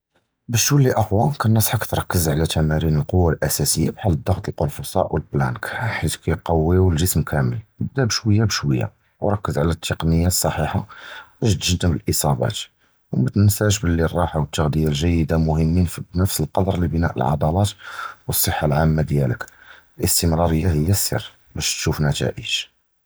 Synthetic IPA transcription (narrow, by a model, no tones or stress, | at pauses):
bəʃwəlːiʔəxwænkænːæsˤħakt̪ɾˤɑkːəzʕlæt̪æmæɾinəlqowːalʔæsæsəjːa̰bħalːəd̪ˤːɑɣt̪əlqʊlfusˤɑ̰ʔwəlblænkħit̪kæjqɑwːiwəlʒəsmkʰæməlnəb̚d̪æbəʃwəjːabəʃwəjːa̰ | wɾˤɑkːəzʕlæt̪ʰːəqnəjːasˤːɑħiħaæʒt̪ʒd̪əməlʔəsˤɑbɑ̰t̪ | wmət̪nnsæʒbəlːirˤːɑħawət̪ːaɣd̪əjalʒæjːəd̪amʊhəmːinfibnəfsəlqɑd̪ˤɾˤlibənæ̰ʔəlʕɑ̰d̪ˤɑlɑt̪wəsˤːəħːalʕamːad̪jæləkəlʔəst̪əmɾɑɾəjːahəjːæsːə̰r | bæʃt̪ʃufnæt̪æ̰ʔəʒ̥